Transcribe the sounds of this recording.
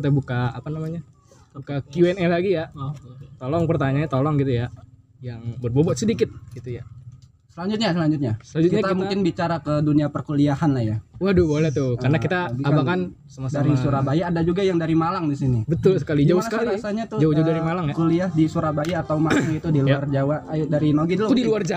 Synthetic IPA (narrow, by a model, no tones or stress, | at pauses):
kit̪abukaːpanamaɲa | bukakjuɛnɛlaɡija | t̪olɔŋpərt̪aɲaɲat̪olɔŋɡit̪uja | jaŋbərbobɔt̪sədikɪt̪̚ɡit̪uja | səlaɲd͡ʒʊt̪̚ɲas̬əlaɲd͡ʒʊt̪̚ɲasəlaɲd͡ʒutkiɲat̪amuŋkɪnbit͡ʃaɾakəduniapərkuliahanlahjawahdubolɛht̪ʊkaɾənakit̪aɡiabakan | səmasdaɾisuɾabajaːdad͡ʒuɡajaŋdaɾimalaŋdisinibət̪ʊlsə̥kalid͡ʒasaəkaliasaɲat̪ʊd͡ʒauhd͡ʒadaɾimalaŋjakuliahdisuɾabajaːt̪awmasuit̪udiljard͡ʒawadaɾinoɡidəlʊdiluard͡ʒa